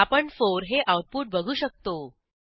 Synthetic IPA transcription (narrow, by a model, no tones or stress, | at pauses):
apəɳfoɾɦeʔawʈ̚puːʈ̚bəɡʱuːɕək̚t̪o